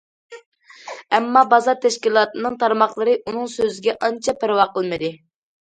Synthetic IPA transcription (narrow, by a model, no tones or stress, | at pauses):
ɛmːɑbɑzɑɾt̪ʰɛʃkʲilˠɑːt̪ɨnɨŋt̪ʰɑɾmɑχlˠəɾɨʔunɨŋsøzɪɡʲɛʔɑnt͡ʃʰɑpɪɾwɑqəlˠmɨd̪ɨ